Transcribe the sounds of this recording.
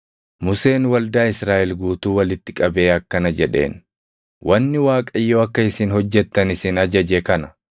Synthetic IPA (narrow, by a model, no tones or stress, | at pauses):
mʊse̞ːnwɐld̪aːɪsɾaːʔɛlɡuːt̪uːwɐlɪt̪ːɪkʼɐbeːɐkːɐnɐd͡ʒɛᶑe̞̰ːn | wʔɐnːɪwaːkʼɐɪjːoːɐkːɐɪsɪnhɔd͡ʒːɛt̪ːɐnɪsɪnɐd͡ʒɐd͡ʒekɐnɐ